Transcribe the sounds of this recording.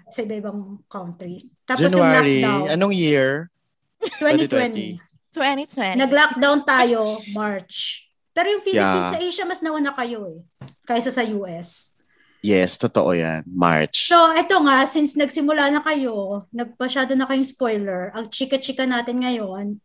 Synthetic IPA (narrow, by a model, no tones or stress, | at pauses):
sɐʔɪbaʔɪbɐŋkawnt̪ɾit̪aːpd͡ʒɐosjʊalaɹiɐnoŋjiɹ | t̪wɛ̃t̪it̪wɛni | nɐɡlak̚d̪awnt̪aːjo̞maɹt͡ʃ | pɛːɾojʊŋfiisɐʔejʃɐmɐsnɐʔɐnakɐjo̞ɛ | kaːjɪsɐsɐjuːʔɛs | jɛst̪ot̪o̰ʔo̰ja̰nma̰ɹt͡ʃsoʔɛt̪o̞ŋasinsnɐɡsɪmʊlanɐkɐjo̞nɐɡ̚mɐʃaːd̪onɐkɐjʊŋspo̞jlɛɹʔɐŋt͡ʃikɐt͡ʃikɐnaːt̪ɪnŋɐjo̞n